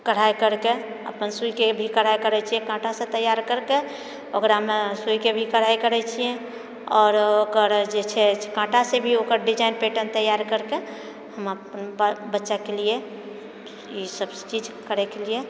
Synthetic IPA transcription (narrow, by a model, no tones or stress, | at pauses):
kəɽ̤ajkəɾke | ə̰pənsuikebʱikəɽ̤ajkəɾɛt͡ʃʰijɛ̃kãʈasẽt̪əjaɾkəɾke | okɾaəmesujkebʱikəɽ̤ajkəɾɛt͡ʃʰijɛ̃ | ɔːɾokəɾd͡ʒet͡ʃʰɛkãʈasebʱiokəɾɖid͡ʒaɪnpeʈənt̪əjːaɾkəɾke | həməpənbbətːʃakelie | isəbt͡ʃid͡ʒkəɾɛkelie